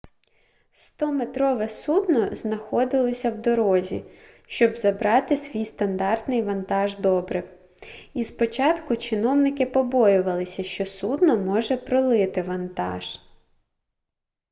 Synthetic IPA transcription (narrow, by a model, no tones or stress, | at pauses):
st̪ɔmet̪ɾɔʋɛsud̪nɔznɐxɔd̪ɪlˠɔsʲɐwd̪ɔɾɔzʲḭ | ʃt͡ʃɔbzɐbɾɑt̪ɪsʲʋʲijst̪ɐnd̪ɑrt̪nɪjʋɐnt̪ɑʒd̪ɔbɾɪw | ispɔt͡ʃɑt̪kʊt͡ʃɪnɔwnɪkɪpɔbɔjʊʋɐlˠɪsʲɐʃt͡ʃɔsud̪nɔmɔʒɛpɾɔlˠɪt̪ɪʋɐnt̪ɑ̰ʒ̥